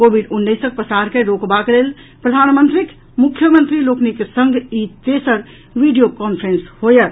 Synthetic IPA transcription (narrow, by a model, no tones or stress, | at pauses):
kobiɖunːəsək̚pɾəsaɾkeɾokbakelel | pɾəd̪ʱanmənt̪ɾik | mukʰːjəmənt̪ɾiloknikesəŋɡʱit̪esəɾ | ʋiɖijokɔnpʰɾenshojət̪